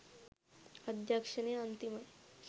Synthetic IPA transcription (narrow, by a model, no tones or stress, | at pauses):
əd̪ʱjakʂəneənt̪iməj